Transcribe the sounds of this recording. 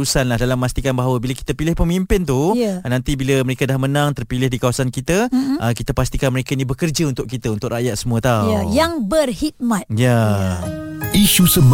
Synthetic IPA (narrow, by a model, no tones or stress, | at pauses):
usanlahdalamːast̪ikanbaɦawəbilaki̥t̪əpilɪhpəmimpɪnt̪ujnãnt̪ibiləməɾekadahmənãŋt̪ərpilɪhdikawasankit̪əʔəkit̪əpast̪ikanməɾekainibəkərd͡ʒaunt̪ʊʔkit̪əunt̪ʊʔraʔjat̪̚səmuət̪awajaŋbərhit̪̚mãt̪̚ja | iʃusəb